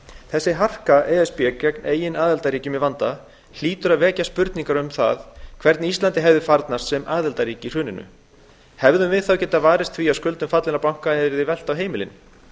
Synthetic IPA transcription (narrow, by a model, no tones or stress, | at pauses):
θɛsːɪɦar̥kaʔɛːɛspjɛkɛkneːjɪnaːðɛlt̪aɾiːcʏmɛvant̪a | l̥iːt̪ʏɾaðvɛːcaspʏɾt̪niŋkaɾʏmθa̰ðkʰv̥ɛɾt̪nist̪lant̪ɪɦɛvðɪfaɾt̪nast̪sɛmaːðɛlt̪aɾiːcɪr̥ʏːnɪnʏ̰ | hɛvðʏmvɪðθawcɛt̪ːavaːɾɪst̪θviːaskʏlt̪ʏmfat̪lɪnaɾpawŋ̥kaɛðvɪðɪvɛl̥t̪awɦeːjmɪlɪ̰n